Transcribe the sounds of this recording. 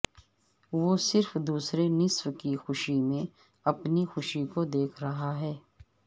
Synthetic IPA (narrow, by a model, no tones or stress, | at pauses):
ʋosɪɾfd̪uːsɾenɪswkixʊʃimẽ | ɐpnixʊʃikod̪eːkʰɾɐɦaɦɛː